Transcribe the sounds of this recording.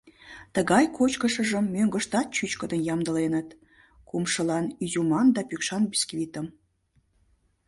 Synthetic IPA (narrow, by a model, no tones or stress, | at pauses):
t̪əɣɑjkot͡ɕkəʃə̆ʒə̆mːøŋɡə̆ʃt̪ɑt̪̚t͡ɕyt͡ɕkəd̪ənjɑmd̪ə̆lenət̪ | kumʃəlɑnyzumɑnd̪ɑpykʃɑnbiskvʲit̪ə̆m